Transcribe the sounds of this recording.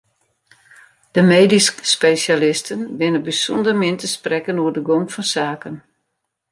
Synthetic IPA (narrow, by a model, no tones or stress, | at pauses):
d̥əmeːdisːpesjalɪstənʋɪnəbisɔndərmɪntəsprɛkənuərdəɡomfɔnsaːkən